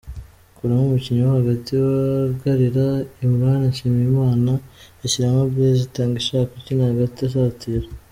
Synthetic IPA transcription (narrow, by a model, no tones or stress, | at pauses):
kuɾamumuciɲuwahaɡatiwaɾɡaɾiɾaimɾanaʃimijimaːna | eʃiɾamabjezitaːŋɡiʃaːkacinahaɡatiaʃ̬aːtiɾa